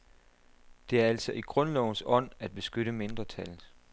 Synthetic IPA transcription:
d̥e̝æɐæl̰sɒ̽ʔiɡ̥ʁɔ̽nlɒʊn̩sɒ̽n̰æd̥̚b̥e̝sɡ̥øɾəme̝nd̥ʁɐt͡sʰælð̩ˠ

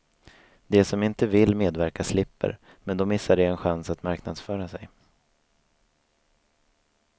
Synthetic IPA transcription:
d̪ɛsɔmɪnt̪əvɪlːmeːd̪væɾkaslɪpːə̰ɾ | mɛnd̪ɔmɪsːaɖɛɛnɧansat̪maɾknad̪sfœːɾasɛj

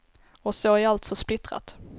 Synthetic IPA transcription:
ɔsoæɾalt̪sɔsplɪt̪ɾa̰t̪

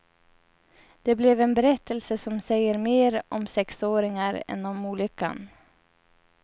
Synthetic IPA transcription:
d̪̥ɛblɛvɛnbɛɾɛt̪ːəlsəsɔmsɛjːəɾmeːɾɔmsɛksoːɾɪŋaɾɛ̰nɔmuːlʏkːa̰n

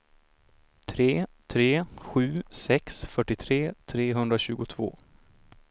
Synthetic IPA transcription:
t̪ʰɾeːt̪ʰɾeːɧʉ̟ːsɛksfœʈːɪt̪ʰɾeːt̪ʰɾeːɦɵnd̪ɾaɕʉ̟ːɡʊt̪ʰv̥o̰ː

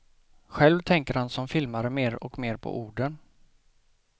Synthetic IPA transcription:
ɧɛlvt̪ʰɛŋkəɾhansɔmfɪlmaɾəmeːɾɔ̰kmeːɾpʰɔ̰ʔuːɖən

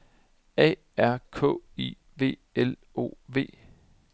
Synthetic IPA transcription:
ɛ̰ | æɐ̰kʰɔ̰̽ḭ | ʋe̝̰ːel | o̝̰ːʋe̝̰ː

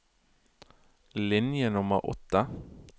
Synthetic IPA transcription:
lɪnjənʊmə̰ʁʔɔ̰t̪ə

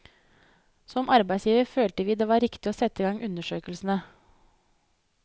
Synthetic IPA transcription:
sɔmʔɑɾbæɪsjiːʋəɾføːlt̪əʋiːd̪eːʋɑːɾɪkt̪ɪoːsɛt̪ːɪɡɑŋʔʉnəʂøːkəlsn̩ə

